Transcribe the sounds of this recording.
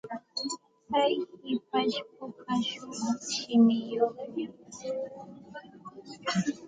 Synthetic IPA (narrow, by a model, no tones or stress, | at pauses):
pajhɪp̚aʃpʊkaʃʊmɑχʃɪmɪjoχɲa